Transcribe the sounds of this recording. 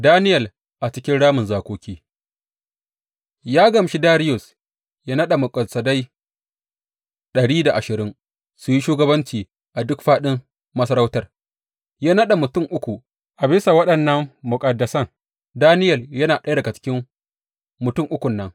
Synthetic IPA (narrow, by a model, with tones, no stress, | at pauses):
daː˦nɪ˦jɐ˨l | ʔa˨t͡ʃɪ˦kʲɪ˦nɽaː˦mʊ˨nzaː˨kʷoː˨kʲiː˦ | jaː˦ɡɐ˨mʃi˦daː˦ɽɪ˦jʊ˨s | jaː˦nɐ˦ɗa˨mʊ˨kʼɐ˨lsɐ˨da˦j | ɗɐ˨ɽiː˦da˨ʔa˨ʃɪ˨ɾɪ˦ŋ | sʊ˨ji˦ʃuː˦ɡɐ˦bɐ˦nt͡ʃiː˨ | ʔa˨dʊ˦kɸaː˦ɗɪ˦m | mɐ˦sɐ˦ɾɐ˦wtɐ˨r | jaː˦nɐ˦ɗa˨mʊ˨tʊ˦˨ŋʔʊ˦kʷu˨ | ʔa˨bɪ˦sa˨wɐ˦ɗɐ˨nːɐ˦mːʊ˨kʼɐ˨dːɐ˨sɐ˦ŋ | daː˦nɪ˦jɐ˨ljɐ˦naː˨ɗɐ˦da˨ɡa˨t͡ʃɪ̥˦kʲɪ˦m | mʊ˨tʊ˦ŋʔʊ˦kʷʊ˨nːɐ˦ŋ